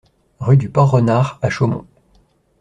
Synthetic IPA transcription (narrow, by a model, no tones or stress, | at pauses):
ʁyd̪ypɑ̃ʁənaʁaʃomɔ̰̃